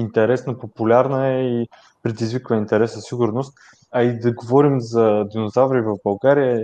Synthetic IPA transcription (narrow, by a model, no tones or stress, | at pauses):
int̪ɛɾɛsnəpopulʲaɾnəɛi | pɾɛd̪izvikvəint̪ɛɾɛszɐsiɡʊɾnost̪ | ɐid̪ɐɡovɔɾimzɐd̪inozavɾivɐvbɐlˠɡaɾijə